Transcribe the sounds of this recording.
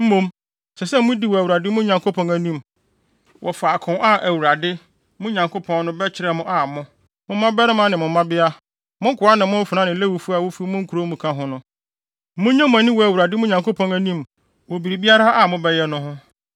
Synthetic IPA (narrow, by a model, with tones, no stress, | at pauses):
m̩˦mũ˦m | sɛ˨sɛ˦mʊ̃˦di˦wɔ˨æ˨wu˨ɾa˨dɪ˦mʊ̃˦ɲã˨ŋko˦pʰɔ̃˨næ˨nĩ˦m | wʔɔ˨fa˨a˨kʰʊ̃˨na˦ʔæ˨wu˨ɾa˨dɪ˦ | mʊ̃˦ɲã˨ŋkʰo˦pʰɔ̃˦n˦nʊ̃˦bɛ˦t͡ɕʰɪ˦ɾɛ˨mʊ̃˦ʔa˨mʊ̃˦ | mʊ̃˦mː˦ã˦bɛ˦ɾɪ̃˦mã˦nɪ̃˨mʊ̃˨m˦mã˦bɪ˦a˦ | mʊ̃˦ŋ̩˦kʰʊ˨a˦nɪ̃˨mʊ̃˦fʊ˨nã˦nɪ̃˨˦le˦wu˨fu˦a˨wo˦fu˦mʊ̃˦ŋ̩˦kʰu˨ɾo˦mũ˨kʰã˦ɦʊ̃˦nʊ̃˦ | mʊ̃˦ɲã˦mʊ̃˨ã˨˦nɪ̃˦wɔ˨æ˨wu˨ɾa˨dɪ˦mʊ̃˦ɲã˨ŋkʰo˦pʰɔ̃˨ŋæ˨nĩ˦˨m | wɔ˨bi˨ɾi˨bi˦a˦ɾa˦ʔa˨mʊ̃˦bɛ˦jɛ˦nʊ̃˦ɦʊ̃˦